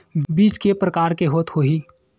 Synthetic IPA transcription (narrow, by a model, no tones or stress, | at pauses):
biːt͡ʃkepɾɐkaːɾkeɦoːt̪hoːɦiː